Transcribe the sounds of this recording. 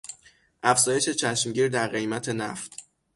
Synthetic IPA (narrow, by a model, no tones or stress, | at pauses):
ʔæfz̥ɒːje̞ʃe̞t͡ʃʰæʃmɟiːɾd̪æɾɣe̞jmæt̪ʰe̞næft̪ʰ